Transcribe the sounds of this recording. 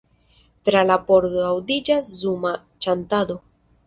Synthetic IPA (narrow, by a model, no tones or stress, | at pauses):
tɾalapo̞ɾdoawdid͡ʒaszuma | t͡ʃantado̞